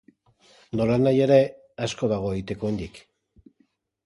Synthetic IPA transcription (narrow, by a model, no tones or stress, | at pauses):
d̪o̞lanaje̞ɾe̞ | asko̞ðaɣ̞o̞eɣit̪e̞koend̪ik